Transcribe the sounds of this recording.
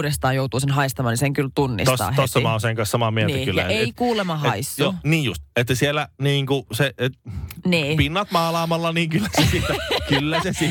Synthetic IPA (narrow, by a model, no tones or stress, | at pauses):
ɾest̪ɑːjout̪uːsenɦɑist̪ɑmɑːniseŋkylt̪unːḭstost̪ɑ̰ːt̪osːɑmɑoseŋkɑ̃nsɑmɑmienːkylːjɑ̰eikuːlemɑɦeisːjoniːjjust̪et̪ːæsielːˑæniːŋkuseet̪niːpinːɑt̪mɑːlɑːmɑlːɑniːŋkylːæsesiːt̪ːækylːæsesiː